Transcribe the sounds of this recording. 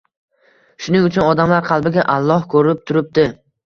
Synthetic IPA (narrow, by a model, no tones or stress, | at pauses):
ʃʊnɪŋʊt͡ʃʰʊnɒd̪amlaɾqʰɑlˠbɪɡʲaʔalˠːɒhkʰɵɾɪp̚t̪ʰʊɾɪp̚d̪ɪ